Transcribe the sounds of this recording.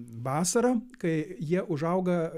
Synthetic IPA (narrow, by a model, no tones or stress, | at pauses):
ʋɑːsɐɾɐkɐɪjiɛʔʊʒɐʊɡɐ